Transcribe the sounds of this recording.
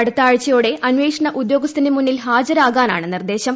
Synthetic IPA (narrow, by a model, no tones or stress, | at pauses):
ɐɽut̪ːaːɻt͡ɕːɐjoːɽe̞ʔɐnʋeːkʂɐɳɐʔud̪jo̞ːɡɐst̪inemunːilɦaːd͡ʑɐɾaːɣaːna̰ːɳɨnːird̪e̞ːɕɐm